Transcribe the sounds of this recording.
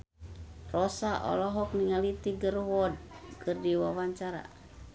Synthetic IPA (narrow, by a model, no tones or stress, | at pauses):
rɔsaʔɔ̰lɔɦɔk̚niŋalit̪iɡərwɔd̚kərdiwawaɲt͡ʃaɾa̰